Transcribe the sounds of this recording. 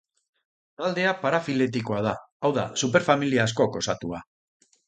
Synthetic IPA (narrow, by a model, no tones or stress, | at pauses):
t̪ald̪e̞apaɾafile̞t̪ikoað̞aː | wða̰supe̞ɾfamiliaːsko̞ko̞sat̪ua